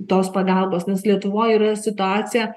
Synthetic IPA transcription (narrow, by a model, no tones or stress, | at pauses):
t̪oːspɐɡɐlˠboːsnʲɛslʲiɛt̪ʊʋoːjiːɾɐsʲɪt̪ʊaːsʲɪjɛ